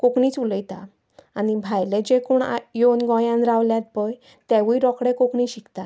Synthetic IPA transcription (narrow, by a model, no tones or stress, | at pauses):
kokɳiːt͡suləjt̪a | anibʱajlẽd͡ʑekuːɳajonɡɔ̃jãnɾaʋljat̪̚bəj | t̪ɛʋujɾɔkɽɛ̃kokɳĩɕikt̪a